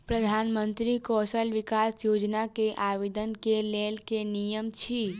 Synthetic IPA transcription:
pɾəd̪ʱaːnmənt̪ɾikɔsəlʋɪkasjoːd͡ʒnakeʔaʋid̪ənkelelkenijəmt͡ʃʰi

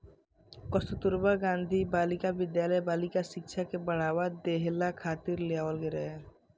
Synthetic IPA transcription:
kɔst̪ot̪ʊɾbaɡãːnd̪ʱibaːlɪkabɪd̪jaːləjbaːlɪkaʃɪkʃʰakebəɽ̤aːwad̪eɦlakʰaːt̪ɪɾlejaːwəlɡeɾɛɦɛ

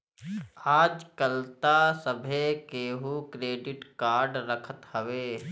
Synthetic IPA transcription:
aːd͡ʒkəlt̪asəbʱekeːɦukɾeːɖɪʈkaːɾɖɾəkʰət̪ɦəʋeː

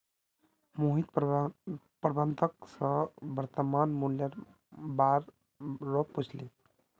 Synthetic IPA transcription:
muɦit̪ | pɾbənt̪ʰəksʌ̃bəɾt̪əmanmuljəɾ | baɾː | opːut͡ʃʰli

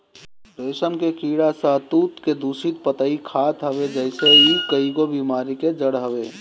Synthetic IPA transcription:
ɾesəmkekiɽasə̃t̪ut̪ked̪usit̪̚pət̪əikʰat̪ɦəβed͡ʒəɪseikəiɡobimaɾiked͡ʒəɽɦəbe

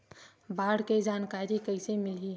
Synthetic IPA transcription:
bʱaːɽked͡ʒaːnkaːɾikəɪsemɪliɦ

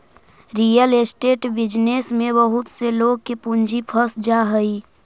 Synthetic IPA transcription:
ɾijəlesʈeʈbɪd͡ʒnesmẽbəɦut̪seloɡ̚kepund͡ʒʱipʰəsd͡ʒaɦəi

